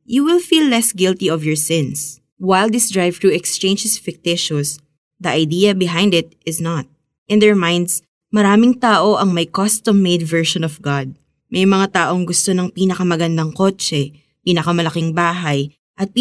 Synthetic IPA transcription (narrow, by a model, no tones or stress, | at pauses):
juwɪlfiːlːɛsɡɪlt̪iɔvjɔɹsɪ̃ns | wajlˠd̪ɪsd̪ɹajvt̪ɹuɛkst͡ʃẽj̃nd͡ʒɛsfɪk̚t̪ɪʃɔs | d̪ɐʔɐjd̪iːɐbɪɦãjnd̪ɪt̪̚ʔɪsnɐt̪̚ | ʔɪ̃nd̪ɛɹmãjnd̪s | mɐɾaːmɪŋt̪aːʔoʔɐŋmɐjkɔst̪ɔmːejd̪vɛɹʃɔ̃nɔvɡad̪̚ | mʔɐjmɐŋat̪aːʔoŋɡʊst̪onɐŋpiːnɐkɐmɐɡɐnd̪ɐŋko̞ːt͡ʃɛ | piːnɐkɐmɐlɐkɪŋbaːɦɐj | ʔɐt̪̚pː